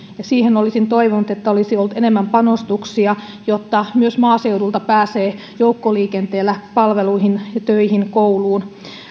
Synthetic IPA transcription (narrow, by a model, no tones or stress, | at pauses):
jɑsiːhenolisint̪oiʋonut̪et̪ːæolisiolːut̪enemːæmpɑnost̪uksiɑ | jot̪ːɑmyøsmɑːseudult̪ɑpæːseː | joukːoliːkent̪eːlːæpɑlʋeluihinjɑt̪øihinkouluːn